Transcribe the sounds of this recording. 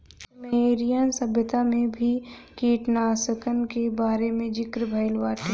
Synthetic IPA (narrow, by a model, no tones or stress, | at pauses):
meːɾijənsɐbjət̪amẽbʱikiːʈnaːsəkənkebaːɾemẽd͡ʒɪkɾəbʱaɪlʋaːʈ